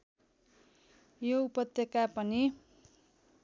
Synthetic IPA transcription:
joupʌt̪jʌkapʌni

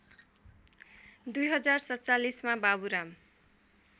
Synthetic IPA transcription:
d̪ujɦʌd͡zarsʌt͡salismababuɾam

